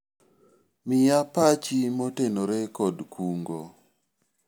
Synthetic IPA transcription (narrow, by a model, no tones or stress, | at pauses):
mɪjapat͡ʃimotenoɾekɔdkʰuŋɡo